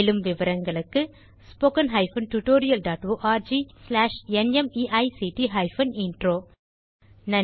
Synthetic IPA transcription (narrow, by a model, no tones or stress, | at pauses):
lɯmʋɪʋɐɾɐŋɡɐɭɯkːɯ | spoːkɐnɦɐɪfɐnʈuʈoːɾɪjɐlɖaːʈʋoːʔaːɾd͡ʒiːslaːʂɛnɛmiːʔɐɪsiʈiɦɐɪfɐnɪnʈɾoː | nɐ